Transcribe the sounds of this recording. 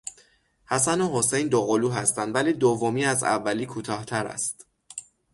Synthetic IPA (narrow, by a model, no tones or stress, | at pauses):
hæsænoɦosejnd̪oɣoluːɦæst̪ænd̪væliːd̪ovːomiːæzæ̰vːæliːkʰut̪ʰɒːht̪ʰæɾæ̰st̪